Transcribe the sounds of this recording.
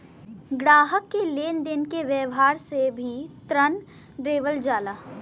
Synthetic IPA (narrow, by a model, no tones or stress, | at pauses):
ɡɽaːɦəkːeleːnd̪ɪnkeʋjəʋɦaːɾsebʱit̪ɾən | ɖɾeːʋəld͡ʒaːlaː